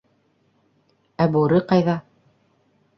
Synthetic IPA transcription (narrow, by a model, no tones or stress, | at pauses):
æbuɾɘqɑjðɑ